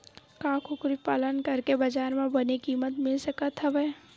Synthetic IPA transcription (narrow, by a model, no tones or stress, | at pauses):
kaːkʰʊkɾipaːlənkɐɾkebɐd͡ʒaːɾmẽbɐnekiːmət̪mɪlsɐkət̪ɦɐʋɛː